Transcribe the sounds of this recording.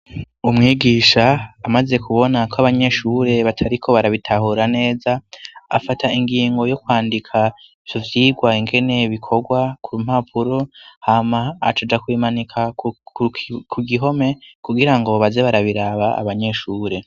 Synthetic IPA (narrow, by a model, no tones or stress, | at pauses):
umŋiːɡiʃaːmaze̞kʰuβo̞nakʰoaβaɲe̞ʃuɾe̞βatʰaɾikʰo̞βaɾaβitʰaɦuɾane̞ːzaa̰fatʰaiŋɡiːŋɡo̞jo̞kwaːndikʰa | v̥jovjiːɡwaiŋɡe̞ne̞βikʰo̞ɡwakuɾum̥hapʰuɾo̞hama̰ːt͡ʃad͡ʒakwiːmanikʰa | kʰuɡiɦo̞me̞kuɡiɾaŋɡo̞βazeβaɾaβiɾaβaa̰βaɲe̞ʃuːɾe̞